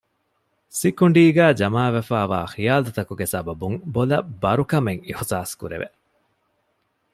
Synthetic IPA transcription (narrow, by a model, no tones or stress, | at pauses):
sikuɳɖiːɡæːd͡ʒɐmaːʋefæːʋa̰ːxijaːlut̪ɐkuɡesɐbɐbuŋbolɐbɐɾukɐmeŋixusaːskuɾḛʋḛ